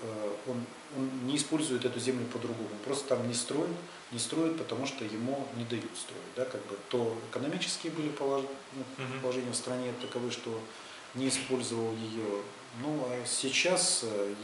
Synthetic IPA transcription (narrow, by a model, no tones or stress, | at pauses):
əo̞n | o̞nnʲɪːspo̞lʲzʊjɪt̪ɛt̪ʊzʲemlʲʊpəd̪ɾʊɡo̞mʊpɾo̞st̪ə̥t̪amnʲɪst̪ɾo̞jɪt̪ | nʲɪst̪ɾo̞jɪt̪̚pət̪ɐmuʂt̪ojɪmunʲɪd̪ɐjut̪st̪ɾo̞̰jɪt̚ʲd̪akaɡ̚bɨt̪o̞ɪkənɐmʲit͡ɕɪ̥skʲɪjəbɨlʲɪpəlˠ | nupəlˠɐʐɛnʲɪjəfst̪ɾɐnʲet̪əkɐvɨʂt̪o̞ | nʲɪːspo̞lʲzəvəlˠjɪjo | nuasʲɪt͡ɕas